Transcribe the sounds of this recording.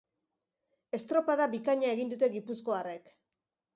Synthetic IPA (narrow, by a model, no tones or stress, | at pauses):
e̞st̪ɾopaðaβikaɲae̞ɣind̪ut̪e̞ɡipusko̞are̞k